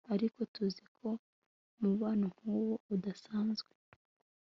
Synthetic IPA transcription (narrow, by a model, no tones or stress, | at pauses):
aɾiko̞tuzikʰo̞ | muβaːnuŋ̥huːwo̞udasaːnzɡwe